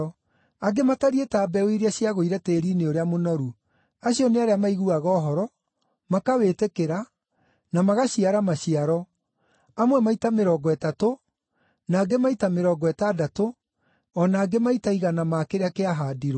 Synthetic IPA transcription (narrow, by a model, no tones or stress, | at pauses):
aɡemataɾietaːbɛweiɾeaɕiaɣoiɾɛteːɾineoɾeamonɔɾu | aɕiɔneaɾeamaiɣuaɣɔːɦɔɾɔ | makawetekeɾa | namaɣaɕiaɾamaɕiaɾɔ | amwɛmaitameɾɔɡɔɛtato | naːɡemaitameɾɔɡɔɛtadato | ɔnaːɡemaitaiɣanamaːkeɾeakeaɦadiɾo